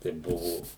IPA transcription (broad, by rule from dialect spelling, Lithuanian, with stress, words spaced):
tɐɪ ˈbʊʋoː